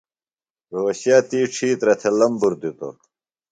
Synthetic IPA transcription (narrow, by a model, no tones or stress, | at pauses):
ɾoːɕjaːt̪iːʈ͡ʂʰiːt̪ɾɐt̪ʰelɐmbuɾd̪it̪o̰